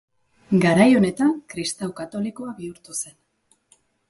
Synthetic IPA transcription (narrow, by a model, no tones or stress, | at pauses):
ɡaɾajo̞ne̞t̪aŋkɾist̪awkat̪o̞liko̞aβiuɾt̪use̞n